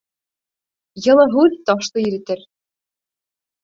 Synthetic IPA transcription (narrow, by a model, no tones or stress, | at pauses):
jɤ̆lˠɤɦʉðt̪ɑʃt̪ˠɤjɘ̆ɾɘ̆t̪ɘɾ